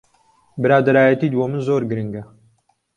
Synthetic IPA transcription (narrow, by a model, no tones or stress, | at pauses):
bɨɾaːd̪ɐɾaːjɐt̪iːd̪womɨnzoːɾɡɨɾɨŋɡɐ